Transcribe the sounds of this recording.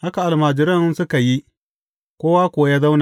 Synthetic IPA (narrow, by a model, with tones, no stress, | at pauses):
ha˦ka˨ʔa˨lmaː˨d͡ʒɪ˨ɾɐ˦nsʊ˦ka˨ji˦ | kʷoː˦waː˦kʷʊ˨a˦jaː˦za˦wna˨